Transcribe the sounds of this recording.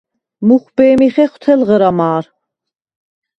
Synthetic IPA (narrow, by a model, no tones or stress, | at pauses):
muχbɛːmiχɛχt̪ʰɛlʁəɾamaːɾ